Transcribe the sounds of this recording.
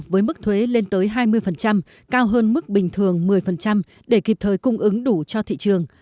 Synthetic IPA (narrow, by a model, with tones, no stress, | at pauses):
vəː˨˦jmɨ˦˥k̚t̪ʰwe˨˦le˧nt̪əː˨˦jɦaː˧jmɨ˧əjfə˨˩nt͡ɕa˧m | kaː˧wɦəː˧nmɨ˦˥k̚ɓï˨˩ŋ̟t̪ʰɨ˨˩əŋmɨ˨˩əjfə˨˩nt͡ɕa˧m | ɗe˧˩ki˨˩p̚t̪ʰəː˨˩jkʊ˧ŋ͡mʔɨ˨˦ŋɗu˧˩t͡ɕɔ˧t̪ʰḭ˧˨t͡ɕɨ˨˩əŋ